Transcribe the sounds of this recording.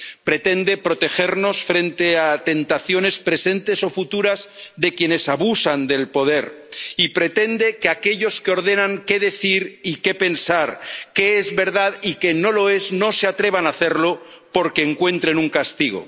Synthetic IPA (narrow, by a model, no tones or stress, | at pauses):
pɾe̞t̪e̞nd̪e̞pɾo̞t̪e̞xe̞ɾno̞sfɾe̞nt̪e̞at̪e̞nt̪aθjo̞ne̞spɾe̞se̞nt̪e̞so̞fut̪uɾazðe̞kje̞ne̞saβusand̪e̞lpo̞ð̞e̞ɾipɾe̞t̪e̞nd̪e̞keake̞ʎo̞skeo̞ɾðe̞nãŋke̞ðe̞θiɾike̞pe̞nsaɾke̞ezβe̞ɾðaðike̞no̞lo̞e̞zno̞seat̪ɾe̞β̞anaθe̞ɾlo̞ | po̞ɾke̞ːŋkwe̞nt̪ɾe̞nuŋkast̪iɣ̞o̰